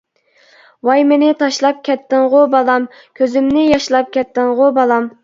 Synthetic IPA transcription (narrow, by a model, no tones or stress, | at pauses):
wɑjmenɪt̪ʰɑʃlˠɑp̚kʲʰɛt̪ːɪŋʁobɑlˠɑm | kʲʰøzɪmnɪjɑʃlˠɑp̚kʲɛt̪ːɪŋʁobɑlˠɑm